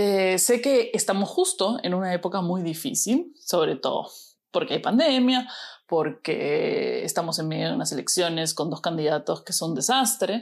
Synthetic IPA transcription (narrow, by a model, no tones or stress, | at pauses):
ese̞ke̞ːst̪amosxust̪o̞e̞nunaepo̞kamujðifḭsilso̞β̞ɾet̪o̰ðo̰ | po̞ɾkeajpand̪e̞mjapo̞ɾkḛḛst̪amo̞se̞nmjeðjounase̞le̞̰ksjo̞ne̞sko̞nd̪o̞skand̪iðat̪o̞ske̞so̞nd̪e̞sast̪ɾe̞